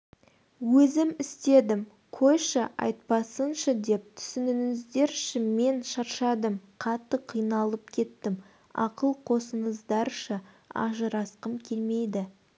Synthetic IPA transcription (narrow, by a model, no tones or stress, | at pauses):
wɵzɪmɪst̪e̞d̪ɪm | qʰo̞jʃəʔɑ̰jt̪̚pɑsənʃəd̪e̞p̚t̪ʰʏ̥sɪnɪnɪzd̪e̞ɾʃɪnme̞nʃɑɾʃɑd̪əmqʰɑt̪ːəqʰijnɑlˠəp̚kʲʰe̞t̪ːɪm | ɑ̰qəlˠqʰo̞səɴəzd̪ɑɾʃə | ɑ̰ʒəɾɑsqəmkʲʰe̞lme̞jd̪ɪ